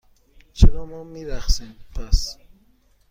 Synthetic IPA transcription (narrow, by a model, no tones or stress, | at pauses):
t͡ʃʰeɾɒːmɔːmiːɾæxsiːmpʰæs